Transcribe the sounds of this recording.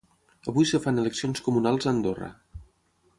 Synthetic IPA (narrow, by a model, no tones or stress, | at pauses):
əβujsəfaneləksionskumunalˠzənd̪orə̰